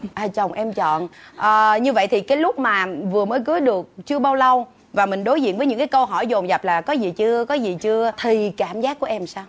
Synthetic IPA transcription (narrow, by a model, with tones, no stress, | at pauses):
ʔaː˨˩t͡ɕə˨˩wŋ͡mʔɛ˧mt͡ɕɔ̰˧˨nʔəː˨˩ɲɨ˧və̰˧˨jt̪ʰi˨˩kaː˨˦jlʊ˦˥k͡p̚maː˨˩vɨ˨˩əməː˨˦jkɨ˨˦ɗɨ˨˩ək̚t͡ɕɨ˧əɓaː˧wlə˧w | vaː˨˩mï˨˩ŋ̟ɗo˨˦jzḭ˧˨ənvəː˨˦jɨ̰˧˥ŋkaː˨˦kə˧wɦɔ˧˩jzo˨˩mza˨˩p̚laː˨˩kɔ˨˦zi˨˩t͡ɕɨ˧əkɔ˨˦zi˨˩t͡ɕɨ˧ət̪ʰi˨˩kaː˧˩mzaː˦˥kːu˧˩ʔɛ˧msaː˧w